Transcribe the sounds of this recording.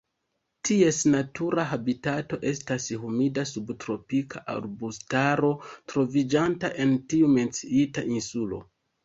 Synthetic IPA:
tʰie̞snatʰuɾaɦabitato̞ʔe̞stashumidasubtɾo̞pikʰaʔa̰ɾbustaɾo̞tɾo̞vid͡ʒantaʔe̞ntiume̞nt͡siitaʔinsulo̞̰

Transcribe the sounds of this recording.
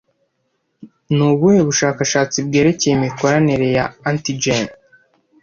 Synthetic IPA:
nuβuheβuʃaːkaʃaːt͡sibɡe̞ːɾe̞ce̞jemiko̞ɾaniɾe̞jaantid͡ʒen

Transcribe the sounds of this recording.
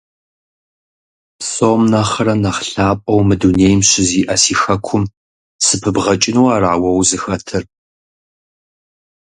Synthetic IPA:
soːmnaχɐɾɐnɐχɬaːpʼɐwmɨduneːjmɕɪziːʔɐsiːxɐkʷʰʊm | sɨpʰɨbʁɐt͡ʃʼɪnuwaːraːwɐwzɨxɐtʰɨr

